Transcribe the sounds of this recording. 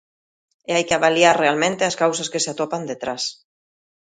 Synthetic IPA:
eajkeaβaliaɾrealmẽnt̪easkawsaskeseat̪opand̪et̪ɾas

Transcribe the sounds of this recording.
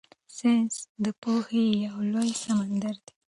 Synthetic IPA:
sensd̪əpohejawlojsamand̪aɾd̪e̥

